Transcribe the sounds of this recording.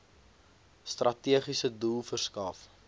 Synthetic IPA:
st̪rʔɐtiəχisədulˠfərskɐf

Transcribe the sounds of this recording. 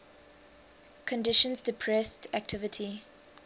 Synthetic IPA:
kʰɔ̃ndɪʃə̃nzdɪpʰɹɛstʰæk̚tʰɪvətʰi

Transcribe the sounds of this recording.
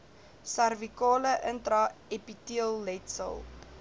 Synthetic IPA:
sɐrvikɑːləʔəntrɐepitiəlˠːɛtsə̰lˠ

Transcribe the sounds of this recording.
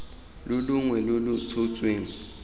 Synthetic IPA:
lʊlʊŋwɛlʊlʊt͡sʰot͡sʼweːŋ̩

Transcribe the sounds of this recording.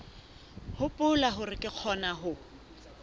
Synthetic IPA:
hʊpʼʊlaɦʊrɪkʼɪq͡χʰɔnaɦʊ

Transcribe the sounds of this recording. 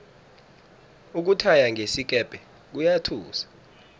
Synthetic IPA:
uk̬utʰajaŋʱesik̬ʼɛb̥ʱɛ | k̬ujatʰuːsḁ

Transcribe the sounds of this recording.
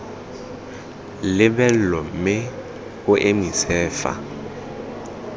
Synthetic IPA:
lɪbɛlɔm̩mɪ | ʊʔɪmisɛːfa̰

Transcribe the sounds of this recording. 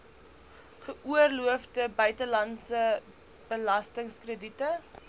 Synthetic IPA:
χəʔuərluəfdəbœɥtəlɐnsə | b̥əlɐstəŋskrəditə

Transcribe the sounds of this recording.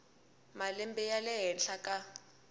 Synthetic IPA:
malɛmbɛjalɛɦɛnɬakʼa

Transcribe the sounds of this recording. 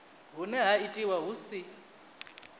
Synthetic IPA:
ɦunɛɦaitʼiwaɦusi

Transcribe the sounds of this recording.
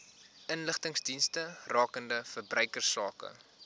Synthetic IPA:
ənləχtəŋsdinstərɑːkəndəfərbrœɥkərsɑːkə̰

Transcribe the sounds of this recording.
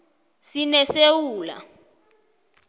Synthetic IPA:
sinɛsewuːla̰

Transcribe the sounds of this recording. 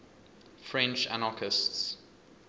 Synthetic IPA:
fɹɛ̃nt͡ʃa̰nakʰɪsts

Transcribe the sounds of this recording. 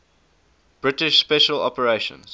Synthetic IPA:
b̥ɹɪtɪʃspɛʃəlɔ̰pəɹeʃə̰̃nz̥

